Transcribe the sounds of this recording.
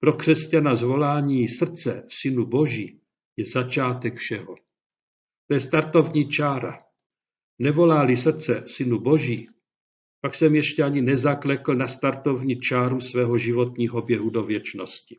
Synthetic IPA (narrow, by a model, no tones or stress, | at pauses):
pɾo̞kr̝̥ɛscanazvo̞laːɲiːsr̩t͡sɛsɪnubo̞ʒiː | jɛzat͡ʃaːt̪ɛkfʃɛɦo | t̪ojɛst̪aɾt̪o̞vɲit͡ʃaːɾa̰ | nɛvo̞laːlɪs̬r̩t͡sɛsɪnubo̞ʒiː | paksɛmjɛʃcɛaɲɪnɛzaklɛkl̩nast̪aɾt̪o̞vɲit͡ʃaːɾusvɛːɦoʒɪvo̞t̪ɲiːɦo̞bjɛɦudo̞vjɛt͡ʃno̞scɪ̥